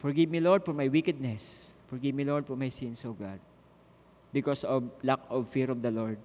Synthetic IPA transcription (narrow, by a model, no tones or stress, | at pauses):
fɔɹɡivmilɔɹd̪̚fɔɹmajwikɛd̪̚nɛsfɔɹɡivmilɔɹd̪̚fɔɹmajsɪ̃nsɔvɡa̰d̪̚ | bɪkɔsɔvlakɔvfiɹɔvd̪ɐlɔɹd̪̚